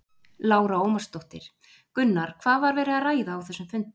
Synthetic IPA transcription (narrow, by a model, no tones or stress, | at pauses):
laːwɾaoːwmḁst̪oht̪ɪɾ̥ | kʏnːaɾ̥kʰv̥aːðvaɾvɛːɾɪaraːjðaːwθɛsːʏmfʏn̥t̪